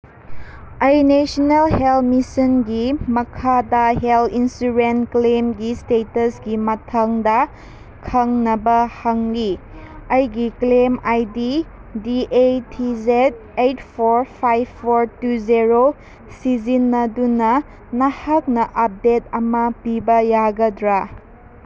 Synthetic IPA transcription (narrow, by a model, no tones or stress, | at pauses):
ajnesɔnelhelmisinɡimɐkʰadɐɦelinsuɾenklemɡistetɐsɡimɐtʰaŋdɐ | kʰɐŋnɐbɐhɐŋliɐjɡiklemajdi | diʔetʰizet̚ | ejtpʰoɾpʰajbpʰːoɾtuzeɾo | sizinːɐdunɐ | nɐhak̚nɐʔɐp̚detɐmɐpibɐjaɡɐdɾa